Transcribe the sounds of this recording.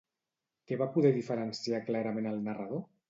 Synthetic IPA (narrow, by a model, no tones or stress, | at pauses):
keβapuðɛðifəɾənsiaklaɾamẽnəlˠnarað̞o